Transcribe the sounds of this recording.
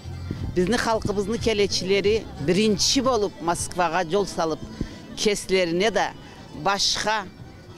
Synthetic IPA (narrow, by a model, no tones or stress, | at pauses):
bɪzd̪iχɑlˠqəβɯzd̪əkʲʰe̞le̞t͡ʃile̞ɾibiɾint͡ʃibo̞lˠup̚moskvɑʁɑd͡ʒo̞lˠsɑlˠɯp̚ | kʲʰe̞sle̞ɾine̞d̪ɑ | bɑʃqɑ